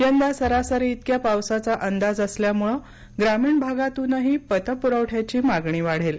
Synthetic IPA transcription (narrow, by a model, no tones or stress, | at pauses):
jənd̪asəɾasəɾit̪kjapawsat͡saʔənd̪ad͡zəsljamuɭə | ɡɾamiːɳbʱaɡat̪ũnːəɦiːpət̪əpuɾəʋʈʰjat͡ɕiːmaɡɳiːʋaɽ̤el